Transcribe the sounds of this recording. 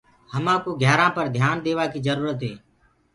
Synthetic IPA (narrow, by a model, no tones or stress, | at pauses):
həmãːkoːɡʱɛːɾãːpəɾd̪ʱjaːnd̪eːʋaːkiːd͡ʒəɾuːɾət̪ɦeː